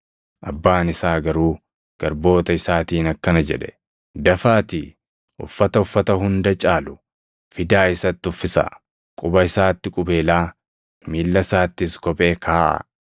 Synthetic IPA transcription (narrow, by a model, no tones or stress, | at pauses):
ʔɐbːaːnɪsaːɡɐɾuː | ɡ̥ɐɾbo̞ːt̪ɐɪsaːt̪iːnɐkːɐnɐd͡ʒɛᶑɛ̥ | d̪ɐfaːt̪ḭː | ʊ̰fːɐt̪ɐʊfːɐt̪ɐhʊnd̪ɐt͡ʃʼaːlʊ | fɪd̪aːɪsɐt̪ːɪʊfːɪsɐ̰ | kʼʊbɐɪsaːt̪ːɪkʼʊbeːlaː | miːlːɐsaːt̪ːɪskɔpʼe̞ːkʰaːʔɐ̰